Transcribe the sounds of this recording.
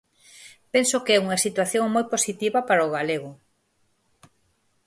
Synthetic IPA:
pɛnsokeɛuŋɐsit̪waθjoŋmojposit̪iβɐpaɾaoɣ̞aleɣʊ

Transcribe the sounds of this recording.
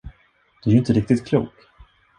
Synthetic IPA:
d̪̥ɛæɾʏɪnt̪əɾɪk̚t̪ɪt̪kʰlṵːk

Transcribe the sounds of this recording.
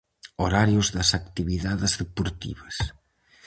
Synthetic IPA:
oɾaɾjʊzðɐsakt̪iβiðaðezðepoɾt̪ḭβɐs

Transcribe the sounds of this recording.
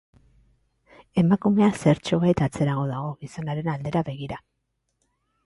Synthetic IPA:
e̞makume̞ase̞ɾt͡ʃo̞βajt̪at͡se̞ɾaɣ̞o̞ðaɣ̞o̞ɣiso̞naɾe̞nald̪e̞ɾaβe̞ɣ̞iɾa

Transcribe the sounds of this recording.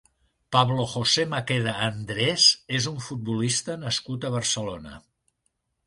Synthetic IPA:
paβloxosemakeðəːnd̪ɾezezuɱfut̪̚bulist̪ənəskut̪əβ̞əɾsəlonə̰

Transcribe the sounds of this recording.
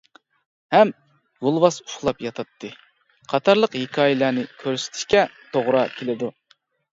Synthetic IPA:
hɛm | jolˠwɑsu̥ʃlˠɑpjɑt̪ʰɑt̪ʰːɨ | qʰɑt̪ʰɑɾlˠəqhekʰɑːjɪlænɪkʲʰøɾsɪ̥t̪ʰɪ̥ʃkʲɛt̪ʰoʁɾɑkʲʰelɪd̪u

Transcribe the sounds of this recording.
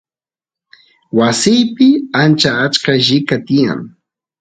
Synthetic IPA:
wasɪjpɪant͡ʃaːt͡ʃkaʒɪkat̪ɪja̰ŋ

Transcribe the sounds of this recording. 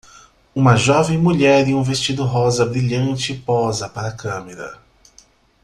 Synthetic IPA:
ũmɐʒɔvẽj̃muʎɛɾɪũvest͡ʃid̪ʊɦɔzɐbɾiʎɐ̃nt͡ʃɪpɔzɐpaɾɐkɐ̃meɾɐ̰

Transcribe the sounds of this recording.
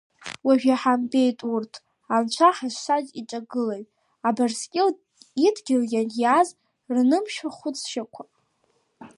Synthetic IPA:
waʒᶣaħambe̞jtʼurtʰ | amt͡ʃʷʰaħaʃʷsazʼit͡ʃʼaɡɨlajtʼ | abarskʲʼɪl | idɡʲɪljanjaz | rnɨmʃᶣaχʷʊt͡sʰʃakʷʰa

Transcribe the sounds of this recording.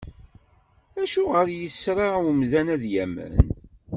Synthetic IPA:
æʃuʁəɾjəsɾaumðænæðjæmə̰n

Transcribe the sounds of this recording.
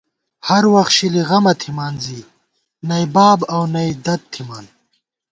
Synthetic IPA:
hɐɾwɐxt̪ɕiliɣɐmɐt̪ʰimaːnziː | nɐjbaːbɐwnɐjd̪ɐt̪̚ʰːimaːn

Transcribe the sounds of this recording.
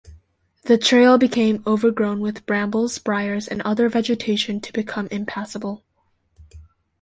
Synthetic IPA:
ðɨtʰɹ̥eɪlˠbɨkʰẽɪ̃moʊvə˞ɡɹõʊ̃nwɨðb̥ɹæ̃mbl̩ˠz̥b̥ɹaɪə˞zɨ̰̃nʔʌðə˞vɛd͡ʒɨtʰeɪʃɨ̃ntʰɨbɨkʰʌ̃mʔɨ̃mpʰæsəbl̩ˠ

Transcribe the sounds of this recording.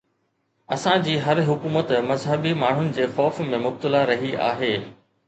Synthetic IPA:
ɐsãd͡ʑiːɦɐɾɦʊkuːmət̪mɐzɦəbimaːɳ̤ʊnɪ̆d͡ʑeːxɔːfmẽmʊb̚t̪ɪlaɾɐɦia̰ːɦeː

